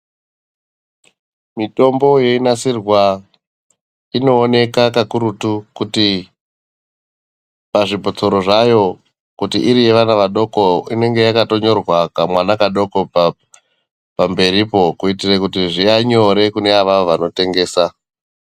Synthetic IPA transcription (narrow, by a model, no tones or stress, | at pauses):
mito̞mbo̞je̞inasirwa | ino̞ːne̞kakakuɾutukuti | paʐibʱot͡so̞ɾo̞ʐajo̞ | kutiʔiɾije̞ʋanaʋaɗo̞ko̞ine̞ŋɡe̞jakato̞ɲo̞rwakamwanakaɗo̞ko̞ | pambe̞ɾipo̞kuitirekutiʐiaɲo̞ɾe̞kune̞aʋaʋoʋano̞te̞ŋɡe̞ːsa